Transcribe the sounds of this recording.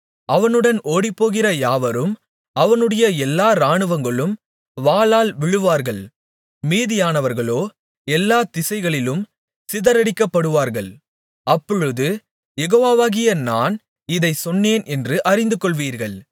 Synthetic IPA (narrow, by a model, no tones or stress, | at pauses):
ɐʋɐnɯɽɐnʔoːɽɪpːoːɣɪrɐjaːʋɐɾɯm | ɐʋɐnɯɽɐjɐɛlːaːɾaːɳɯʋɐŋɡɐɭɯm | ʋaːlaːlʋɪɻɯʋaːɾɣɐɭ | miːðɪjaːnɐʋɐɾɣɐɭoː | ɛlːaːt̪ɪsɐɪɣɐɭɪlɯm | sɪðɐɾɐɽɪkːɐpːɐɽɯʋaːɾɣɐɭ | ɐpːɔɻɯðɯ | jɛɣoːʋaːʋaːɣɪjɐnaːn | ɪðɐɪsɔnːeːnɛndrɯʔɐɾɪnd̪ɯkɔɭʋiːɾɣɐɭ